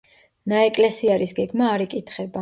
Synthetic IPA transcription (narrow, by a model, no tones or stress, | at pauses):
naɛkʼlɛsiaɾisɡɛɡmaːɾikʼit̪ʰχɛba